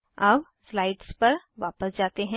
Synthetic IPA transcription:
ɐbslaːɪɖspɐɾ | ʋaːpəsd͡ʒaːt̪eɦɛ̃

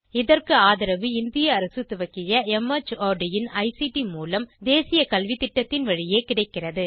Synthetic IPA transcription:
ɪðɐrkɯaːðɪɾɐʋɯɪnd̪ɪjɐːɾɐsɯt̪ːɯʋɐkːɪjɐɛmɐt͡ʃːoːɖɪjɪnɐɪsiʈimuːlɐmd̪eːsɪjɐkɐlʋɪt̪ːɪʈːɐt̪ːɪnʋɐɻɪjeːkɪɽɐɪkːɪrɐðɯ

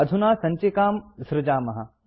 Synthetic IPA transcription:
ɐd̪ʱunaːsɐɲt͡ʃekaːmsɾɪd͡ʒaːmɐɦɐ

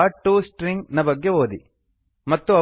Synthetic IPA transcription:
aʈːuːsʈɾiŋɡnɐbɐɡːeʋoːd̪i | mɐt̪ːuɐ

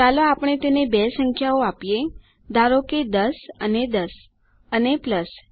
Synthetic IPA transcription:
t͡ʃaloapɳ̃et̪enebesəŋkʰjaoapije | d̪ʱaɾoked̪əsəned̪əs | ənepləs

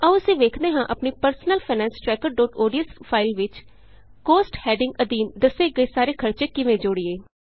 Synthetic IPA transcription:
əʋʊsẽːʋeːkʰd̪eːɦãːʔəpniːpəɾsənəlpʰaːnɛ̃ːnsʈɾɛːkəɾɖoːʈoːɖijəspʰaːɪlʋɪt͡ʃ | koːsʈhɛːɖɪ̃ŋɡəd̪iːnd̪əseːɡəeːsaːɾeːkʰəɾt͡ʃeːkɪʋẽːd͡ʒoɽieː

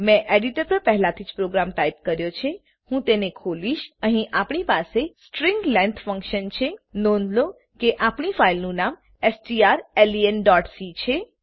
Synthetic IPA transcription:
mɛ̃ʔeɖiʈəɾpəɾpɛɦɛlat̪ʰid͡ʒpɾoɡɾamt̪aip̚kəɾjot͡ʃʰe | hũt̪enekʰoliʃəɦĩʔapɳipasesʈɾiŋɡlẽnt̪ʰfə̃ŋkʃənt͡ʃʰenonlo | keʔapɳifailnũnam | esʈiaɾelienɖɔʈsit͡ʃʰe

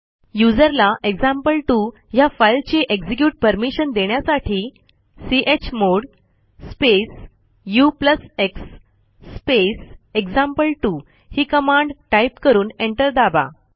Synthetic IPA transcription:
jud͡zəɾlaʔeɡzãmpəlʈuː | jafajlt͡ɕeʔeɡd͡zik̬juːʈ̚pəɾmiɕənd̪eɳjasaʈʰiː | siʔet͡ɕmoɽ | spes | jupləseksː | peseɡd͡zãmpəlʈuː | hiːkəmãɳɖʈajipkəɾuːneɳʈəɾd̪aba̰

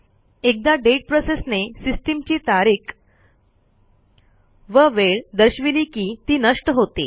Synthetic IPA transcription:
ek̚d̪aɖeʈ̚pɾosesnesisʈimt͡ɕiːt̪aɾiːk | ʋəʋeɭd̪əɕʋiliːkiːt̪iːnəʂʈəɦot̪e

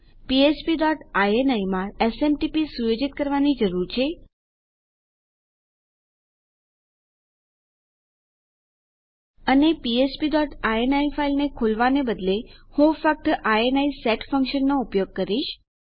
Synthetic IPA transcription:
piespiɖɔʈajenaimãesemʈipisujod͡ʒit̪̚kəɾʋanid͡ʒəɾuɾt͡ʃʰe | ənepiespiɖɔʈaenaifailnekʰolʋanebəd̪lehũfək̚t̪aenaisɛʈfə̃ŋkʃənːoupjoɡ̚kəɾiʃ

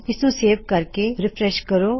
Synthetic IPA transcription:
kɪsũseːʋkɐɾkeɾɪpʰɾɛʃkəɾoː

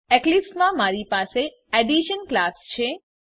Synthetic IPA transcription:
ɛklipsmãmaɾipase | ɛɖiʃənklast͡ʃʰe

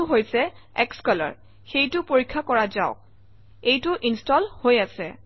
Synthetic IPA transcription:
ʊɦojsɛ | ɛkskɔlɔ̰ɹ | xejtʊpoɹikʰːakɔɹazaʊk̚ | ejtʊʔinstɔlhojasɛ

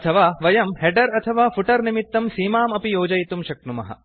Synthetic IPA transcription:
ɐt̪ʰɐʋaːʋɐjɐmɦeɖɐɾɐt̪ʰɐʋaːfʰuʈɐɾnimit̪ːɐmsiːmaːmɐpijoːd͡ʒɐjit̪umʃɐknumɐ̰ɦɐ̰

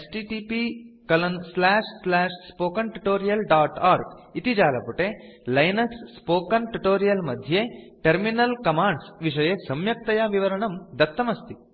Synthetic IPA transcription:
esʈiʈiːpikɐlɐnslaːʂslaːʂspoːkɐnʈuʈoːɾijɐlɖaːʈaːɾɡit̪id͡ʒaːlɐpuʈelɐjnɐksːpoːkɐnʈuʈoːɾijɐlmɐd̪ʱjeːʈɐɾminɐlkɐmaːɳɖsʋiʂɐjesɐmjɐk̚t̪ɐjaːʋiʋɐɾɐɳɐmd̪ɐt̪ːɐmɐst̪i

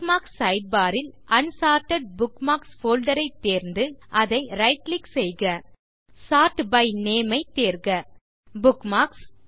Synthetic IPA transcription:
maːksːɐɪɖ̚baːɾɪlʔɐnsaːʈɐɖ̚bʊkmaːksfoːlɖɐɾɐɪt̪ːeːɾnd̪ɯʔɐðɐɪɾɐɪʈlɪksɛjɣɐ | saːʈbɐɪneːmɐɪt̪ːeːɾɣɐ | bʊkmaːks

